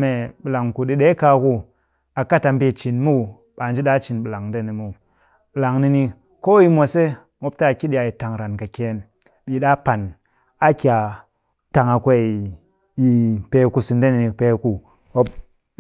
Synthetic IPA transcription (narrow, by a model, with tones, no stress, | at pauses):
me˨ɓi˨la˨ŋku˨ɗi˦ɗe˦ka˧ku˦ | a˨ka˦ta˨m˦be˦˨t͡ʃi˨nmu˦˨ | ɓa˨n˦d͡ʒi˦ɗa˦t͡ʃi˨nɓɨ˨la˨ŋde˦˨ni˨mu˨ | ɓɨ˨la˨ŋni˧ni˧ | ko˦ji˦mʷo˨se˦ | mo˦p̚ta˦˨ki˦ɗi˦a˨ji˨ta˨ŋɾa˨nka˨ke˨n | ɓi˨ɗa˦pa˨n | a˦ki˨a˨ | ta˨ŋa˨kʷe˦i˨ | ji˨pe˧ku˦˨si˨nde˦ni˨ni˨pe˧˦ku˨ | o˦p